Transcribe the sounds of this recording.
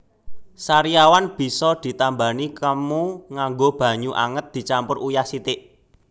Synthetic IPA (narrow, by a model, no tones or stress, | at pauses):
saɾijawanb̥i̤sɔd̪̥i̤t̪ambanikəmuŋaŋɡob̥ä̤ɲuʔa̰ŋət̪̚d̪̥i̤t͡ʃampʊrʔujasit̪ɪʔ